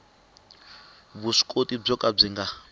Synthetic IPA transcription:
βuʂi̥kʼotib͡ʐɔkʼab͡ʐiŋɡa

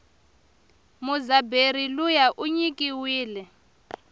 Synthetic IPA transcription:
muzaberilujaʔuɲikʼiwiːlɛ

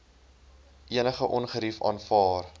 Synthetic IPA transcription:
ʔiənəχəʔɔnχəɾifɑ̰ːnfɑːr

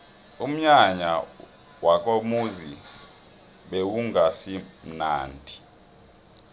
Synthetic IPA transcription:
um̩ɲaɲa̰ | wak̬ʼomuzi | ɓewuŋasim̩naːndʱi

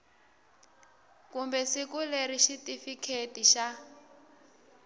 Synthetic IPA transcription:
kumbɛsikuleɾiʃitʼifikʰetʼiʃa

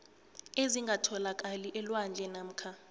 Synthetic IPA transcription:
eziŋɡʱatʰɔlakʼaliʔɛlwand͡ɮʱɛnam̩ːkʰa

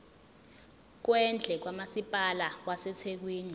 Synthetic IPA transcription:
k̬wɛnd͡ɮʱɛk̬wamasipʼalawasɛt͡sʰek̬wiːni

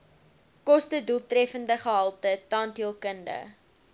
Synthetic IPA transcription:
kɔstədulˠtrɛfəndəχəɦɐlˠtətɑːntiəlˠkəndə̰

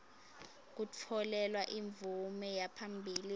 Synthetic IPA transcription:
k̬ut͡fʰɔlɛlwaʔiɱb̪vumɛjapʰambʱiːli

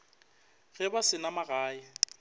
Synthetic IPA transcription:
ɣɛbasɪnamaɣaːɪ

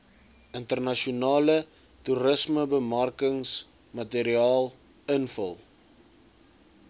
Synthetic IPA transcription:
əntərnɐʃiunɑːlə | tuɾəsməbəmɐrkəŋs | mɐteɾiɑːlˠ | ənfə̰lˠ

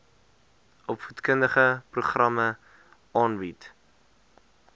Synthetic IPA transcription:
ʔɔpfutkəndəχəpruχrɐmə | ʔɑːnbit

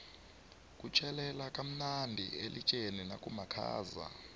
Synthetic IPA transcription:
kʼut͡ʃʰʼɛlɛlakʼam̩nandʱḭelit͡ʃʼeninakʼumakʰa̰ːza̰

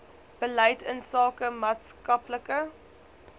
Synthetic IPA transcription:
b̥əlɛjtənsɑːkəmɑːtskɐpləkə

